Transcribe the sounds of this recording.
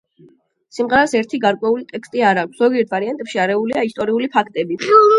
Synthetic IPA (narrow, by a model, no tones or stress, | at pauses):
simʁɛɾasɛɾt̪ʰiɡaɾkʼwɛulit̪ʼɛkst̪ʼiaɾakʰʷsz̥ɔɡiɛt̪ʰvaɾiant̪ʼɛpʃiaɾɛuliaist̪ʼɔɾiulipʰakʰt̪ʼɛbi